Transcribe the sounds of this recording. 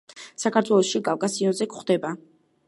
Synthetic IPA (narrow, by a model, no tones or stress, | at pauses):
sakʰaɾt̪ʰwɛlˠɔʃiɡʼavkʼasiɔnzɛkχd̪ɛba